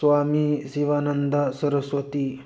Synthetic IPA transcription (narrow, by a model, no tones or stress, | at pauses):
sʋamisiʋanənd̪əsəɾəsʋət̪i